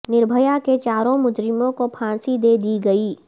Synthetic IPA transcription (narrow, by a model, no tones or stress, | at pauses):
nɪɾbʱəjaket͡ʃaːɾõmʊd͡ʒɾɪmõkopʰãːnsid̪eːd̪iɡɐiː